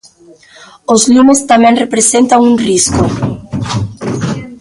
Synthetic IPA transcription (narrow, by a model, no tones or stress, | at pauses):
ozlumʊst̪amɛ̃ŋrepɾesent̪aŋũŋriskʊ